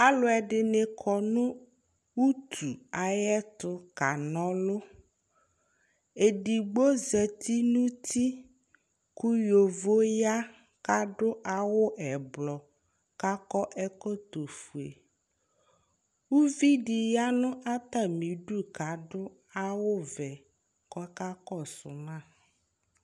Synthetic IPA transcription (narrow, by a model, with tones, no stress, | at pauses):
a˦lʊ˨ɛ˨ɖɪ˨ne˨kʰɔ˨nũ˦ | wu˦t̪ʰu˨a˨jɛ˦t̪ʊ˦ka˨nɔ̃˦lʊ˦ | e˨ɖi˨ɡ͡bo˦zɛ˨t̪ʰi˦nũ˦t̪ʰi˦ | ku˦jo˨vo˦ja˦ | ka˦ɖʊ˦ʔa˨wʊ˦ʔɛ˨blɔ˨ | ka˦kɔ˦ʔɛ˦kɔ˦t̪o˨fu˨ḛ˨ | wu˦vi˦ɖi˨ja˦nʊ̃˦ʔa˦t̪a˦˨mĩ˨˦ɖu˦ka˨ɖʊ˦ | a˦wʊ˦vɛ˨ | kɔ˦ka˦kɔ˦sʊ̰˨nã˦˨